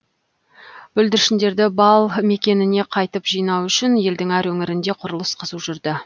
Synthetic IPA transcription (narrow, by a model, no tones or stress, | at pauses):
b̥ɵld̪ɪɾʃɪnd̪e̞ɾd̪ɪbɑlˠme̞kʲe̞nɪne̞qʰɑjt̪əpʒ̥ijnɑwʏʃɪnje̞ld̪ɪŋæɾwɵŋɪɾɪnd̪e̞qʰʊɾəlˠəsqʰəzuʒʏɾd̪ɪ